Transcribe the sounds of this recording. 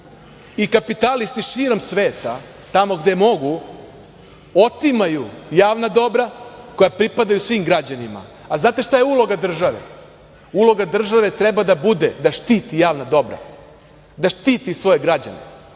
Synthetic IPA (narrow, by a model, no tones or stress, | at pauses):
ikapit̪alist̪iʃiːɾo̞msʋe̞ːt̪a | t̪amo̞ɡd̪e̞mo̞ɡu | o̞t̪imajujaːʋnad̪o̞bɾako̞japɾipad̪ajusʋiːmɡɾad͡ʑanima̰ | aznaːt̪e̞ʃt̪ajeulo̞ɡad̪r̩ʒaʋḛ | ulˠo̞ɡad̪r̩ʒaʋe̞t̪ɾebad̪abud̪ed̪aʃt̪iːt̪ijaːʋnad̪o̞bɾa̰ | d̪aʃt̪iːt̪isʋo̞je̞ɡɾad͡ʑa̰nḛ